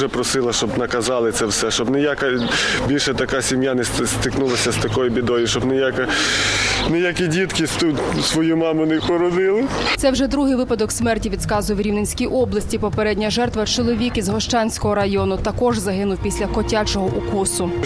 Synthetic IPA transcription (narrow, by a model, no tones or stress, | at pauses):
ʒɛpɾɔsɪlˠɐʃt͡ʃɔbnɐkɐzɑlˠɪt̪sɛwsɛʃt͡ʃɔbnɛjakɐbʲilʲʃɛt̪ɐkasʲimjanɛst̪ɪknulˠɐsʲɐst̪ɐkɔjʊbʲid̪ɔjʊʃt͡ʃɔbnejakɐ | nɪjakʲidʲit̪kɪt̪usʋɔjumɑmʊnɛpɔɾɔd̪ɪlˠɪt̪ɛwʒɛd̪ɾuɦɪjʋɪpɐd̪ɔksmɛrtʲiʋʲid̪skɑzʊjɛwɾʲiwnenʲsʲkʲijʔɔblˠɐsʲtʲipɔpeɾɛdʲnʲɐʒɛrt̪ʋɐt͡ʃɔlˠɔʋʲikizɦɔʃt͡ʃɑnʲsʲkɔɦɔɾɐjɔnʊt̪ɐkɔʒzɐɦɪnʊwpʲisʲlʲɐkɔtʲat͡ʃɔɦɔʔukusʊ